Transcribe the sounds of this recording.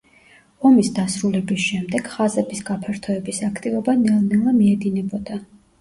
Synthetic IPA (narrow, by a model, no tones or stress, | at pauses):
ɔmisd̪asɾulɛbisʃɛmd̪ɛɡ̥χazɛbisɡapʰɛɾt̪ʰɔɛbisakʰt̪ʼivɔbanɛlˠnɛlˠamiɛd̪inɛbɔd̪̥a